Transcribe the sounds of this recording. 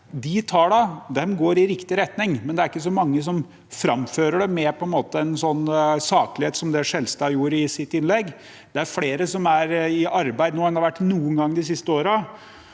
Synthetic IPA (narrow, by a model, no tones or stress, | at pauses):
d̪ɪt̪ʰɑːɖɑd̪ɛmɡoːɾɪɾɪkt̪ɪɾɛt̪nɪŋmɛnd̪ɛæɾɪkːəs̬ɔmɑŋːəs̬ɔm | fɾɑmføːɾəɖɛmɛpʰɔɛnmoːt̪əɛnsɔnːsɑːklɪheːt̪sɔmd̪ɛʂɛlst̪ɑːjuːɾɪsɪt̪ːɪnlɛɡː | d̪̥ɛæɾfleːɾəsɔmæɾɪʔɑɾbæɪd̪noːɛnhɑɾʋæʈːnuːənɡɑŋːd̪ɪsɪst̪əoːɾə